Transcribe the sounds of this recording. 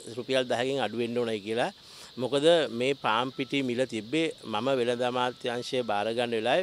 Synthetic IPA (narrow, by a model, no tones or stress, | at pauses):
ɾupijald̪aɦaɡeŋaɖuʋenɖoːnajkiəla | mokəd̪əmeːpaːmpiʈimilət̪ibːemaməʋeləd̪amaːt̪jaŋsəjəbaːɾəɡanːəʋelaːj